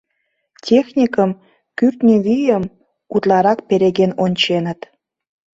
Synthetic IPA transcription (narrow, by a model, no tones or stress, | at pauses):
tʲexnʲikəm | kyrt̪nʲiβijəm | ut̪lɑɾɑk̚peɾeɣenonʲt͡ɕenət̪